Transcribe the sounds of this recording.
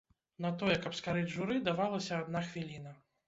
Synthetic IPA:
nɐt̪ɔjɛkɐpskaɾɨd͡zʲʐuɾɨd̪avalˠɐsʲɐad̪naxvʲilʲinɐ

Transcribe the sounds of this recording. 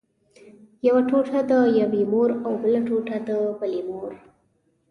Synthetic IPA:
jawaʈoʈʰad̪əjabimoɾawbəlaʈoʈad̪əpalimoɾ

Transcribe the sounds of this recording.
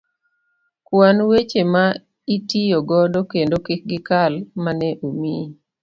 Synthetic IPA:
kwanwet͡ʃema | itijoɡɔdokendokek̚ɡɪkalmanɛʔumi

